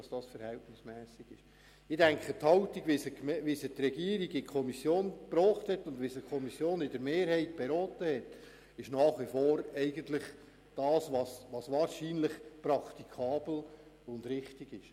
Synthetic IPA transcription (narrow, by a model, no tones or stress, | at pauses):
ɑsd̥ɑːsfəɾhɛltnɪsmɛːsiɡ̥ɪ̰ʃ | ɪdæŋkʰəthɑʊtiɡʋisəkmʋisət̪rɛɡiːəɾiɡɪkʰɔmisjoːnpɾɔːχthɛtːʊndʋisəkʰɔmisjoːnɪdəɾmeːɾhɛɪt̚b̥eɾɔːtəhɛt | ɪʃnɑːχʋifoːɾɛɪɡəntlɪχ | d̥ɑːsʋɑsʋɑsʋɑːɾʃiːnlɪχpɾɑkt̪ikʰɑːbl̩ | ʊndɾɪχtiɡ̥ɪʃ